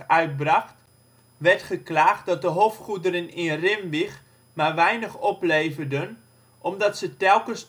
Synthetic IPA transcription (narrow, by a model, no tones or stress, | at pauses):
œɥt̚brɑχt | ʋɛɹtχəklaːχt̚dɑt̚dəɦoftχudəɾənɪrɪmʋiχ | maʋɛjnəχɔpleːvərdən | ʔɔmdɑtsətɛlˠkəns